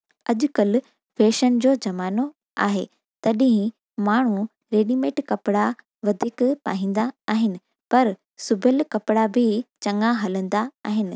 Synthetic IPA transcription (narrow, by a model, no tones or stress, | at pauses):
ɐʄʊkɐl | feːʃənɪ̆d͡ʑoːd͡ʑɐmaːno | a̰ːɦeː | t̪ɐɗɪ̃ɦɪ̃ | maːɳ̤u | ɾeːɗiːmẽːʈkɐpɪɽa | ʋɐd̪ʱiːkpa̰ːɦĩːn̆d̪aaːɦɪnɪ̆ | pɐɾ | sʊbʱəlkɐpɪɽabʱɪt͡ɕɐ̃ŋaɦɐlə̃nd̪aaːɦɪnɪ̆